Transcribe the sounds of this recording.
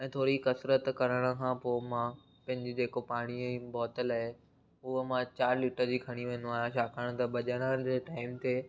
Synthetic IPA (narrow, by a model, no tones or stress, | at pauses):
ɛ̃ːt̪ʰoːɾikɐsɾət̪kɐɾəɽ̃ə̆kʰãːpoːmã | pɐ̃ɦɪ̃ɲd͡ʑɪd͡ʑeːkopaːɽ̃ibɔːt̪əlaːɦe | ʊɦəmãt͡ɕaːɾliːʈəɾd͡ʑiːkʰɐɽ̃iʋẽːn̆d̪õaːɦjãʃaːkʰəɽ̃t̪ɐbɐʄəɽ̃əd͡ʑeːʈaːɪmt̪ʰeː